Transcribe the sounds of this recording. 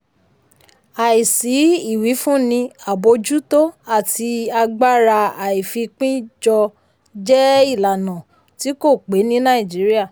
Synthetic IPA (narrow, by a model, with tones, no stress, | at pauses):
a˨i˨si˨˦i˦˨wi˨˦fũ˦nĩ˧a˨bo˧d͡ʒu˦to˦a˦˨ti˧a˧ɡ͡ba˦ɾa˧a˨i˨fi˧k͡pĩ˦d͡ʒɔ˧ | d͡ʒɛ˦i˦˨la˨nã˨ | ti˨˦ko˦˨k͡pe˨˦nĩ˦nã˦ĩ˨d͡ʒi˨˦ɾi˦a˦˨